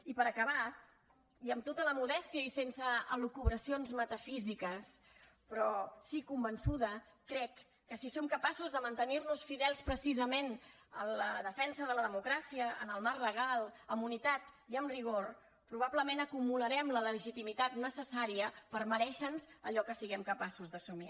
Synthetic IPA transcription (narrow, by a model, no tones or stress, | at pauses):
ipəɾəkəβa | iəmt̪ot̪ələmuðɛst̪iəisensəːlukuβɾəsionzmət̪əfizikəs | pɾɔsikumbənsuðə | kɾɛkː | əsisomkəpasuzðəmənt̪əniɾnusfiðɛlˠspɾəsizəmenələðəfɛnsəðələðəmukɾasiəənəlˠmarrəɣ̞alˠəmunit̪at̪iəmriɣ̞oɾ | pɾuβabləmenəkumuləɾɛmlələəʒit̪imit̪at̪nəsəsaɾiəpəɾməɾɛʃənzəʎɔkəsiɣɛmkəpasuzðəsumi